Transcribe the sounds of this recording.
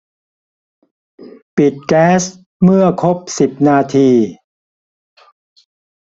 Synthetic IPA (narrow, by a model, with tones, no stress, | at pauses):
pi˨˩t̪̚kɛː˦˥s | mɯ˥˩ɐkʰo˦˥p̚si˨˩p̚naː˧t̪ʰiː˧